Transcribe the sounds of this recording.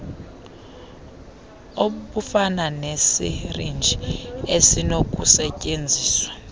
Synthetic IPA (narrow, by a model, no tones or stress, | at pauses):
oɓufananesḭrind͡ʒʱiesinok̬ʼusɛcʼend͡zʱiːswḁ